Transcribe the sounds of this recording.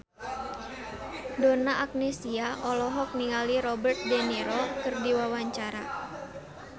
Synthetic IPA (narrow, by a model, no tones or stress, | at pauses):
donaʔak̚nesiaʔɔlɔɦɔk̚niŋaliɾɔbərt̪̚dɛniɾɔkɨrdiwawaɲt͡ʃaɾa